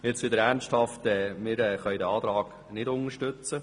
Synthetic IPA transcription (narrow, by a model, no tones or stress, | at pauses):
ɪt͡sʋɪd̪əɾæʁnsthɑftɛːmɪɾɛχœʏdəɑːt̪ɾɑːɡ̥ | nɪdʊnəɾʃtʏt͡sə